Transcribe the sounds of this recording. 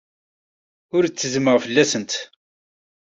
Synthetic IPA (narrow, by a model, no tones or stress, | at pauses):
ʊɾt͡sːəzməʁfəlːæsənt̪